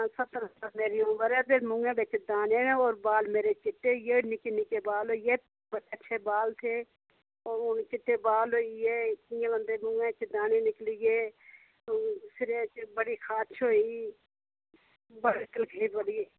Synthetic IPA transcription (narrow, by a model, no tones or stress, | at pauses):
sət̪əɾət̪əɾmeːɾiːʊ̃əɾɛːpʰeɾmʊ̃ŋɡẽːbɪt͡ʃd̪aːneːoːɾbaːlmeːɾeːt͡ʃɪʈːeːjeːnɪkenɪkeːbaːloːieː | bətːət͡ʃʃʰeːbaːlt̪ʰeː | oːɾʊnt͡ʃɪʈːeːbaːlɦoːieːɪẽlə̃nd̪eːmʊ̃ŋɡẽːɪt͡ʃd̪aːneːnɪklijeː | sɪɾeːt͡ʃbəɽiːkʰaːt͡ʃɦoːiː | bəɽɪt̪ɪlɡʰʱeipəɽiːeː